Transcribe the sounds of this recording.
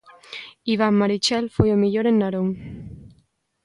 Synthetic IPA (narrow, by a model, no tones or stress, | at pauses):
iβaŋmaɾit͡ʃɛlfojomiʎoɾenːaɾoŋ